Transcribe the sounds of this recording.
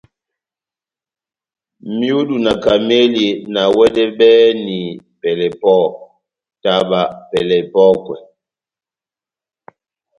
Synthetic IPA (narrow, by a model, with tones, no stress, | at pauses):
mi˦u˦du˨na˨ka˨me˦li˨na˨wɛ˦dɛ˦ɓɛ˦ni˨pɛ˨lɛ˨pɔ˦˨ | ta˦ɓa˦pɛ˨lɛ˨pɔ˦kwɛ˨